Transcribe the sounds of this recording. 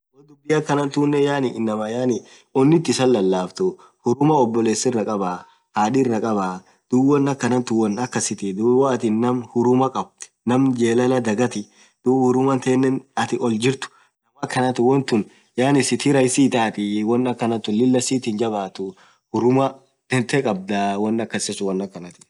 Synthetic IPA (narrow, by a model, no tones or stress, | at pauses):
wɔd̪ʊbːɪjɐkːɐnɐnt̪uːnːɛjaːnɪʔɪnːɐmɐjaːnɪ | ɔnːɪt̪ːɪsɐlːɐlːaːft̪ʊ | hʊɾʊmɐɔbːɔle̞ːsɪrːɐkʼɐbaː | haːᶑɪrːɐkʼɐbaː | d̪̥ʊwɐnːɐkːɐnɐnt̪ʊwːɔnɐkːɐsɪt̪ɪd̪ʊwaːt̪ɪnːɐmhʊɾʊmɐkʼɐb̚t̪ | nɐmd͡ʒeːlɐlɐd̪ɐɡɐt̪ɪ | d̪̥ʊhʊɾʊmɐnt̪eːnːɛnɐt̪ɪʔɔld͡ʒɪɾt̪ʊ̥ | nɐmɐkːɐnɐt̪ɪwɔnt̪ʊn | jaːnɪsɪt̪ɪɾɐjsiːt̪aːt̪ɪwɐnːɐkːɐnɐnt̪ːʊnlɪlːɐsiːt̪ɪnd͡ʒɐbaːt̪ʊ | hʊɾʊmɐ | d̪̥ɛnt̪ɛkʼɐb̚d̪awɐnːɐkːɐsɪsʊwɐnːɐkːɐnɐt̪ɪ̥